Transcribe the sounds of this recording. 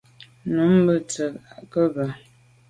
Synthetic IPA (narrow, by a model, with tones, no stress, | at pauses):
nu˨˦m˦bə˦t͡sə˨a˨ʔkə˦bə˨